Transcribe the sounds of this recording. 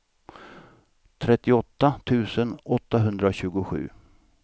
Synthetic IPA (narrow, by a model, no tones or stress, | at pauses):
t̪ʰɾɛt̪ːɪɔt̪ːat̪ʰʉ̟ːsənɔt̪ːaɦɵnd̪ɾaɕʉ̟ːɡʊɧʉ̟̰ː